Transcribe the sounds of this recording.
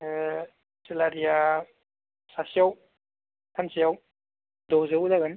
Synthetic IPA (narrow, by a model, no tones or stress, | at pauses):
selaɾija | sasijaw | tʰansijaw | dɔzewdaɡan